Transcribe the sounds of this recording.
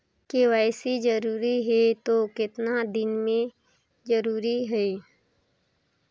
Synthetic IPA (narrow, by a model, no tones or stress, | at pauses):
kewaːɪsid͡ʒəɾuːɾiɦɛt̪okɪt̪nad̪ɪnmẽ | d͡ʒəɾuːɾiɦɛi